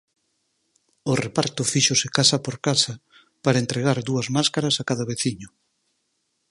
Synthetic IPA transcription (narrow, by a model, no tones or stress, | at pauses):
ʊrepaɾt̪ʊfiʃosɪkasapoɾkasɐ | paɾɐent̪ɾeɣ̞aɾðuɐzmaskaɾɐsakaðɐβeθiɲʊ